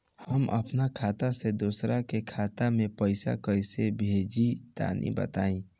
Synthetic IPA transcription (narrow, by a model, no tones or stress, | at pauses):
həmʔə̰pnakʰaːt̪ased̪osɾakekʰaːt̪amẽpəɪsa̰kəɪsebʱeːd͡ʒit̪a̰ːnʔḭbə̰t̪aːĩ